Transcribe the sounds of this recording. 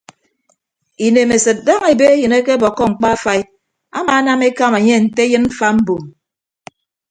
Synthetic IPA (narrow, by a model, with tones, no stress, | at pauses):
i˨ne˨me˨sɨ˨t̚da˦ŋe˨be˦e˦jɨ˨ne˦ke˦bɔ˨kːɔ˦ŋ͡m̩˨k͡pa˦a˦fa˦i˦ | a̰˦ma˨a˦na˦me˦ka˦ma˨ɲe˦˨n̩˨te˦jɨ˦nm̩˦fa˦m̩˦bo˨m